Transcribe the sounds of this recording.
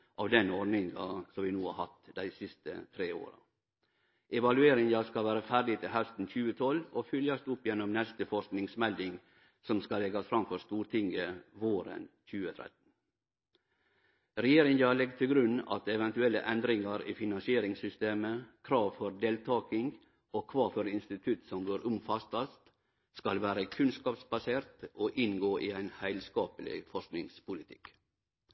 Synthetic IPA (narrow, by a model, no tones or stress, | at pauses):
ʔɑʋd̪ɛnɔɾnɪŋɑ̰sɔmʋɪnuːhɑ̰ɾhɑt̪d̪æɪsɪst̪ə̰t̪ʰɾeːo̰ːɾɑ̰ | ʔɛʋɑlʉeːɾɪŋɑskɑʋæːɾəfæːɾɖɪt̪ʰɪlɦæst̪n̩çʉːət̪ʰɔlofʏljɑst̪ʊpːjɛnːɔmnɛst̪əfɔʂknɪŋsmɛld̪ɪŋ | sɔmskɑlɛɡɑfɾɑmfɔɾst̪uːɾt̪ʰɪŋəʋoːɾə̰nçʉːət̪ʰɾɛ̰t̪n̩ | ɾɛjeːɾɪŋjɑlɛɡt̪ʰɪlɡɾʉnɑ̰t̪ɛʋɛnt̪ʉɛlːə̰ʔɛnd̪ɾɪŋɑɾḭːfɪnɑnsɪeːɾɪŋsʏst̪eːməkʰɾɑːʋfɔɾd̪eːlt̪ʰɑːkɪŋ | oːkʰʋɑːfɔɾɪnst̪ɪt̪ʰʉt̪sɔmɡøːɾʊmfɑst̪ɑst̪ | skɑlʋæːɾəkʰʉnskɑːpsbɑseːɾt̪oːʔɪnɡoːʔiːæɪnhæɪlskɑːpəlɪ̰fɔʂknɪŋspʰʊlɪt̪ʰɪ̥k